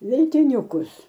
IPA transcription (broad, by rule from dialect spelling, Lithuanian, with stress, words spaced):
ʋʲɛlʲtʲɪˈnʲʊkʊs